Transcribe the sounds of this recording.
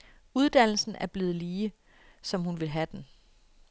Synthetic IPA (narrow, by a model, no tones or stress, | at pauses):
uð̞ˠd̥æn̰l̩sn̩æɐb̥le̝ːð̞̩ˠliː | sɒ̽mhunʋe̝lɦæd̥en